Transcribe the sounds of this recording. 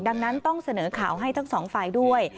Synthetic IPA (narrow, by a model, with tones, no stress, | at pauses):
da˧ŋna˦˥nt̪ɔ˥˩ŋsa˧nɤː˩˦kʰaː˨˩˦wɦa˥˩jt̪ʰa˦˥ŋsɔː˩˦ŋfaː˧jdu˥˩əj